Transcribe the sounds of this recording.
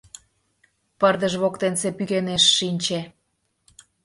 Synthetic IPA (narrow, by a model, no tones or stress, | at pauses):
pərd̪əʒβokt̪ensepykeneʃːinʲt͡ɕe